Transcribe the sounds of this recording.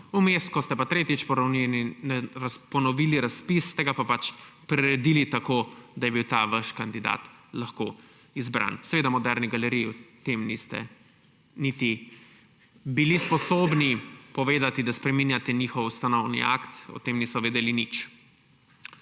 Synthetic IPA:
umest̪kɔst̪ɛpat̪ɾeːt̪it͡ʃpɔnɛnɾspɔnɔʋiliɾaspist̪ɛɡapapat͡ʃpɾɛɾɛd̪ilit̪akoːd̪ajɛbiwt̪aːʋaʃkand̪id̪a̰ːt̪laxko̰ | izbɾa̰ːnsɛʋeːd̪amɔd̪ɛɾniɡalɛɾijːt̪emnist̪ɛ̰ | nit̪i | bilispɔsoːbnipɔʋeːd̪at̪id̪aspɾɛminjat̪ɛnixɔwust̪anɔwnḭa̰kt̪ɔ̰t̪emnisɔʋeːd̪ɛlinit͡ʃ

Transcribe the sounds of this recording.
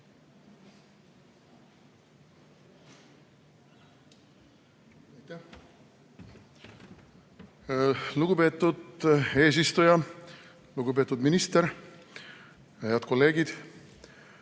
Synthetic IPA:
ɑjt̪æ | luɡ̥upe̞ːt̪ːˑud̪e̞ːs̬ist̪ujɑ | luɡ̥upe̞ːt̪ːˑud̪minist̪eɾ | heɑd̪̚ko̞lːe̞ːɡid̪̥

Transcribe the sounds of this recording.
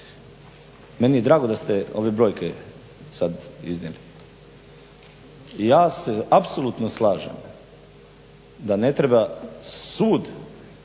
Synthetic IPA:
menije̞d̪ɾaːɡod̪ast̪eoʋebɾo̞ːjke | sad̪iznjeli | jaːseapsolut̪noslaːʒḛm | d̪ane̞t̪ɾebasuːd̪

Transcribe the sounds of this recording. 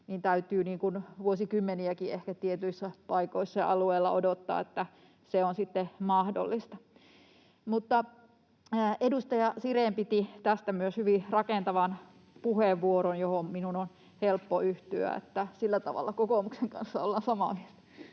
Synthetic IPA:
niːnt̪æyt̪yːniːŋkunʋuosikymːeniækiehkæt̪iet̪yisːæpɑikoisːɑjɑ̰ɑlueːlːɑ̰odot̪ːɑ̰ːet̪ːæ | seonsit̪ːemɑhdo̰lːist̪ɑ | mut̪ːɑː | edust̪ɑjɑsireːmpit̪it̪æst̪æmyøshyʋirɑkent̪ɑʋɑn | puheʋʋuoɾonjohomminunon | helpːoyht̪yæ̰ḛt̪ːæsilːæt̪ɑ̰ʋɑ̰lːɑkokoˑmukseŋkɑ̰nsːɑolːɑnsɑmɑmielt̪æ̥

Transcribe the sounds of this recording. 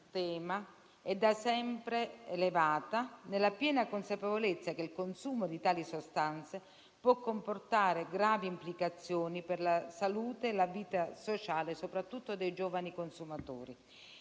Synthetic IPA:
t̪ɛːma | ɛd̪ːasɛmpɾeelevaːt̪anelːapjɛːnakonsapevolet̪sːak̟elkonsuːmod̪it̪aːlisost̪ant̪se | pwɔkːomport̪aːɾeɡɾaːviːmplikat̪sːjoːniperlasaluːt̪eːlaviːt̪asot͡ʃaːlesopɾat̪ːut̪ːod̪ejd͡ʒoːvanikonsumat̪o̰ːɾi

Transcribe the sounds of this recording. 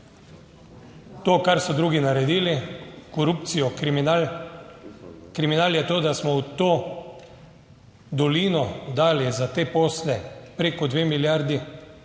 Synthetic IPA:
t̪oːkaɾsɔd̪ɾuːɡinaɾɛd̪iːlikɔɾuːp̚t̪sijɔ | kɾiminaːljɛt̪oːd̪asmɔwt̪oː | d̪ɔliːnɔd̪aːljɛzat̪eːpoːslɛpɾeːkɔd̪ʋeːmiljaːɾd̪i

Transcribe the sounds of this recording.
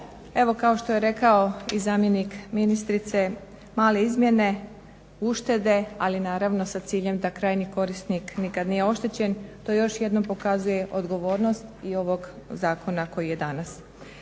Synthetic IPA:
e̞ʋo̞kao̞ʃt̪o̞jeɾe̞kao̞izaːmje̞nikminist̪ɾit̪se̞ | maːle̞izmʲje̞ne̞ | uʃt̪e̞d̪e̞alinaːɾaʋno̞sat̪siːʎe̞md̪akɾaːjniko̞ɾist̪niknikad̪nije̞o̞ʃt̪et͡ɕe̞nt̪o̞ːjo̞ʃje̞d̪nompo̞kazuje̞ʔo̞d̪ɡo̞ʋo̞ːɾno̞st̪io̞ʋo̞ɡzaːkʰo̞nako̞jije̞d̪anas

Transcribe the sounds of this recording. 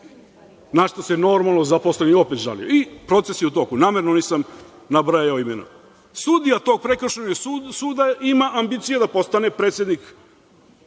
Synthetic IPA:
naʃt̪oseno̞ɾmalˠnozaposleniopet̪ʒa̰lḭjo̰ipɾo̞t̪se̞sjeut̪o̞kunaːmeɾnoniːsam | nabɾajjaoimḛna̰ | sud̪ijat̪o̞ɡ̚pɾekɾ̩ʃeɲasuːd̪aimaʔambit̪sijed̪apo̞st̪anepɾet̪sje̞d̪nik

